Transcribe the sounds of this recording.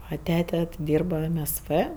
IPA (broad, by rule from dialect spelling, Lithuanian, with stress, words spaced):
ɐ ˈtʲæːtʲɛ ˈdʲiːrbɐ ɛm ɛs ʋɜ